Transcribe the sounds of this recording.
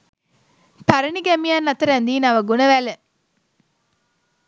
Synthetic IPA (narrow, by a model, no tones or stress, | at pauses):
pɐɾɐniɡæmijaːnːɐt̪ɐɾænd̪iːnɐʋɐɡunəʋælə